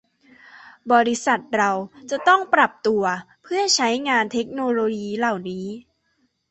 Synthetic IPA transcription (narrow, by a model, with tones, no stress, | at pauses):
bɔː˧ɾi˦˥sa˨˩t̪̚ɾa˧wt͡ɕa˨˩t̪ɔ˥˩ŋpɾa˨˩p̚t̪u˧ɐ | pʰɯ˥˩ɐt͡ɕʰa˦˥jŋaː˧nt̪ʰe˦˥k̚noː˧loː˧jiː˧la˨˩wniː˦˥